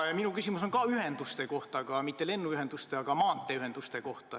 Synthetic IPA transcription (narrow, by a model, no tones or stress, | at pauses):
jɑminukysʲimus̬o̞nkɑyhe̞nd̪̥ust̪e̞ko̞ht̪ɑkɑmit̪ːe̞le̞nːuyhe̞nd̪̥ust̪e̞ɑkɑmɑːnt̪ːˑe̞yhɦe̞nd̪̥ust̪eko̞ht̪ɑ